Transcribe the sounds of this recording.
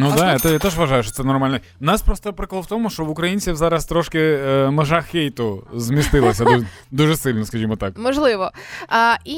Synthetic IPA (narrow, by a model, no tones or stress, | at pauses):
nud̪aat̪ɛjat̪ɛʒʋɐʒɑjʊʃt͡ʃɔ̥t̪sɛnɔrmalʲnɛ | nɑspɾɔst̪ɔpɾɪkɔlˠwt̪ɔmʊʃt͡ʃɔʋʊkɾɐjinʲt͡sʲiwzɑɾɐst̪ɾɔʃkɪmeʒɑxʲejt̪ʊzmʲist̪ɪlˠɐsʲɐ | d̪uʒesɪlʲnɔskɐʒʲimɔt̪akmɔʒlˠɪʋɔ | i